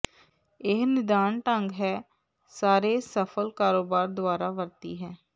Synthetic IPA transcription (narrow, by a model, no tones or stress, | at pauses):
ɪɦnɪd̪aːɳʈə̃ŋɡɦɛː | saːɾeːsəpʰəlkaːɾoːbaːɾd̪ʊaːɾaːʋəɾt̪ḭːɦɛː